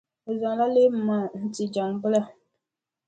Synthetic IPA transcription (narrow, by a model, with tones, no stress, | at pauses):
o˨zɔ˨ŋ˨la˦le˦b̩˦ma˨n̩˦ti˨d͡ʒa˨ŋbʊ˦la˦